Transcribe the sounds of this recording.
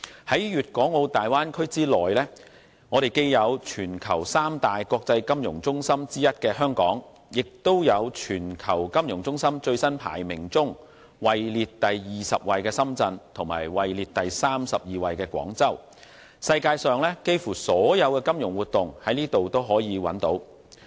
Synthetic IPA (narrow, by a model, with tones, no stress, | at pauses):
hɐ˨˥jɥyː˨t̚kʷɔː˨˥ŋo˨˧wt̪aː˨jwaː˥nkʰɵ˥ɥt͡siː˥lɔː˨˩jlɛː˥ | ŋɔː˨˧ɾe˨jke˧jjɐ˨˧wt͡ʃʰyː˨˩nkʰɐ˨˩wsaː˥mt̪aː˨jkɔː˧k̚t͡sɐ˧jkɐ˥mjʊ˨˩ŋt͡sʊ˥ŋsɐ˥mt͡siː˥jɐ˥t̚kɛː˧hœː˥ŋkɔ̰ː˨˥ŋ | jɪ˨k̚t̪o˥wjɐ˨˧wt͡ʃʰyː˨˩nkʰɐ˨˩wkɐ˥mjʊ˨˩ŋt͡sʊ˥ŋsɐ˥mt͡ʃɵ˧ɥsɐ˥npʰa̰ː˨˩jmɪ˨˩ŋt͡sʊ˥ŋ | wɐ˨jliː˨˧t̚t̪ɐ˨jjiː˨sɐ˨p̚wɐ˨jkɛː˧sɐ˥mt͡sɐ˧nt̪ʰʊ˨˩ŋma̰ː˨˩jwɐ˨jliː˨t̚t̪ɐ˨jsaː˥msɐ˨p̚jiː˨wɐ˨jkɛː˧kʷwɔ̰ː˨˥ŋt͡sɐ˥w | sɐ˧jkaː˧jsœː˨ŋlɛː˥ke˥jfuː˨˩sɔː˨˥jɐ˨˧wkɛː˧kɐ˥mjʊ˨˩ŋwuː˨˩t̚t̪ːʊ˨ŋhɐ˨˥jniː˥t̪o˨wt̪o˥wɦɔː˨˥jiː˨˧wɐ̰˨˥nt̪o˨˥w